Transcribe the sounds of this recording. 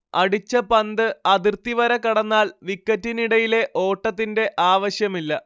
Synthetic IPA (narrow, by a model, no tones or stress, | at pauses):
ɐɽit͡ɕːɐpɐnd̪ɨɐd̪irt̪ːiʋɐɾɐkɐɽɐnːaːɭʋikːɐtːiniɽɐjile̞ʔo̞ːʈːɐt̪ːinde̞ʔaːʋɐɕjɐmilːɐ